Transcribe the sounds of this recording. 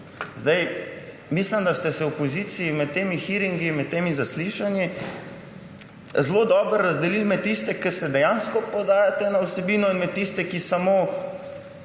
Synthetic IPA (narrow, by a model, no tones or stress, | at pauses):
zd̪aj | mislimd̪ast̪ɛsɛɔpoziːt̪siimɛt̪̚t̪ːeːmixiɾiŋɡimɛt̪t̪ːeːmizasliʃanji | zlod̪ɔːbɾ̩ːazd̪ɛlilmɛt̪̚t̪ːist̪ɛkɛsɛd̪ɛjanskɔpɔd̪aːjat̪ɛnausɛbiːnɔinmɛt̪ːist̪ɛkisamoː